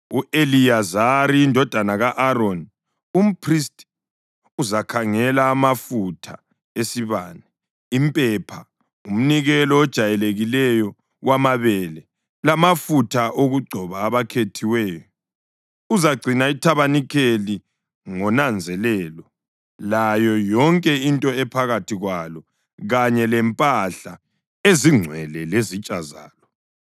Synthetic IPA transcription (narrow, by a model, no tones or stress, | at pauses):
uʔelijazaɾiːndʱɔd̥ʱanaɣaʔaɾon | um̩pʰristʼ | uzakʰaŋɛlaːmafutʰa | esiβaːnɛ | impʼɛpʰa | um̩niɣɛlɔːd̥ʒ̥ʱajɛleɣilɛjɔ | wamaβɛlɛ | lamafutʰaʔoɣuɡ͡ǀʱɔβaːβakʰetʰiwɛːjɔ | uzaɡ͡ǀʱinaitʰaβanikʰeli | ŋɔnand͡zʱɛlɛːlɔ | lajɔjɔŋkʼɛintʼɔɛpʰaɣatʰiɣwalɔ | ɣaɲɛlɛmpʼaɬa | eziŋ͡ǀʱwɛlɛlezit͡ʃʼaza̰ːlɔ